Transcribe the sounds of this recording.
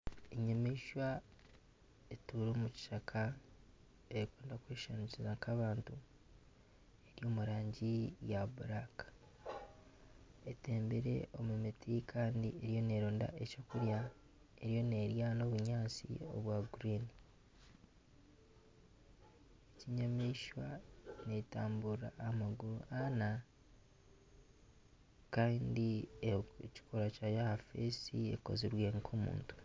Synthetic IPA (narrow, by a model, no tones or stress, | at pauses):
eɲamiʃwa | etuɾoːmuci̥ʃakʰa | eɾikweːndakweːʃanicizaŋkaβaːntu | e̞ɾjo̞ːmuɾaːɲɟijabuɾakḁ | e̞te̞ːmbeɾe̞̰ʔo̞mumitʰikʰaːndḭe̞ɾijo̞ne̞ːɾoːnda̰ʔe̞co̞ːkuɾja | e̞ɾijo̞ne̞ɾjano̞βuɲaːt͡sḭo̞̰βwaɡuɾiːni | eciɲamiʃwanetaːmbuɾaːmaɡuɾuana | kaːndi | ci̥kʰoɾacajahafesie̞̰ko̞̰ziɾweːŋkʰo̞mṵːntu̥